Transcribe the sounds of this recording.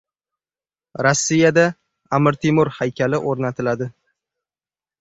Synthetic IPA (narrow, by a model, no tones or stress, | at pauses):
ɾasːijad̪a | amɪɾt̪ʰɪmʊɾhajkʲʰalɪʔoɾnat̪ʰɪlad̪ɪ